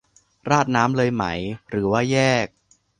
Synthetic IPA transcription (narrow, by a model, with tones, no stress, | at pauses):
ɾaː˥˩t̪̚naː˦˥mlɤː˧jma˦˥jɾɯː˩˦waː˥˩jɛː˥˩k̚